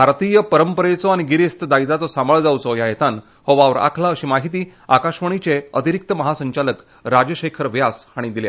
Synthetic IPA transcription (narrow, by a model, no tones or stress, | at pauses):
bʱaɾt̪ijəpəɾəmpəɾet͡sɔaɽ̃iɡiɾest̪d̪ajd͡zat͡sɔsaməɭd͡zawt͡sɔjajet̪an | hɔʋaʋɾa̰kʰlaəɕiːmaɦit̪iː | akaɕʋəɳ̃it͡seət̪iɾik̚t̪əməɦasəɲt͡ɕalək | ɾad͡ʑəɕekʰəɾʋjasaɽ̃id̪ilja̰